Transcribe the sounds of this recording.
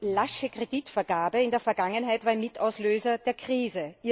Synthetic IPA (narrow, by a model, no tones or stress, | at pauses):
laʃəkʁ̥ed̥itfɛɐɡaːbəɪndeːɐfɛɐɡaŋənɦaɪtvaɪmɪtaʊsløːzɐd̥eːɐkʁ̥iːzəiː